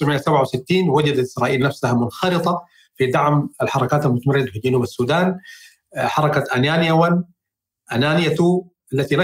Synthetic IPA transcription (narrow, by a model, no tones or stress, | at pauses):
ɾmɪjːasabʕawsɪt̪ːiːnwad͡ʒad̪at̪ɪsɾaːʔiːlnafsahamʊnxɑlɨt̪ˤɑ | fid̪ɑʕmalħɑɾˤɑkaːt̪almʊt̪amrːɪd̪afild͡ʒanuːbasːuːd̪aːn | ħɑɾˤɑkaʔanaːnɪjawan | ʔanaːnɪjat̪u | ʔalːat̪ila